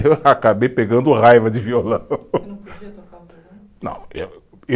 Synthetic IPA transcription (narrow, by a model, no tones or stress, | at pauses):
eakabejpeɡɐ̃nd̪ʊʁajvɐd͡ʒɪviolɐ̃w̃ | nɐ̰̃w̃ɛ | e